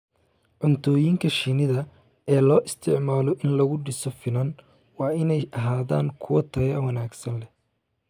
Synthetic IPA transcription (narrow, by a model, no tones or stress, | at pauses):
ʕʊnt̪ʰɔːjiŋkʰɐʃinɪðɐ | ɛːlɔːʔɪst̪ʰɪʕmaːlɔʔɪnlɐɣʊɖɪsɔfɪlɐn | wɑːɪnɛjɐɦaːða̰ːŋkʰʊwɐt̪ʰɐɣɛwɐnaːɡsɐnlɛ